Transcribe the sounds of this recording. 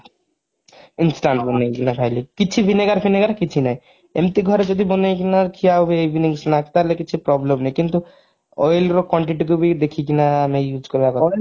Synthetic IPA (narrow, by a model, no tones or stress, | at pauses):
insʈaɳʈbonejkinakʰajlikit͡ɕʰibʰʱineɡaɾfʰineɡaɾkit͡ɕʰinaj | ḛmt̪iɡʱɔɾed͡ʒod̪ʱibonejk̬inaɾkʰiaubeebiniŋsnakt̪aɦlekit͡ɕʰipɾɔblemnejkint̪u | ɔjlɾokwɔɳʈ̬iʈuk̬ubid̪ekʰikinaamejud͡ʑkoɾeakɔ